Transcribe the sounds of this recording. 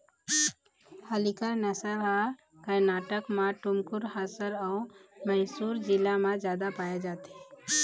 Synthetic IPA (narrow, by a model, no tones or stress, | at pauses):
həlikəɾnəsəɾɦa | kəɾnaːʈəkmãʈʊmkʊɾhaːsəɾɔːmɛɦsuːɾd͡ʒɪlamãd͡ʒjaːd̪apaːjed͡ʒaːt̪eɛ